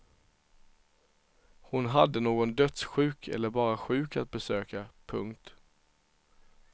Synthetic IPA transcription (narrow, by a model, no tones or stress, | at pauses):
hʊnɦad̪ːənoːɡɔnd̪œt̪sɧʉ̟ːkʰɛ̰lːəɾbɑːɾaɧʉ̟ːkat̪̚bɛsøːkapʰɵŋk̚t̪